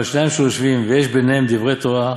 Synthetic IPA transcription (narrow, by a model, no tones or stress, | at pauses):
ʃnajemʃejoʃvimvejeʃbenehemd̪ivʁet̪oa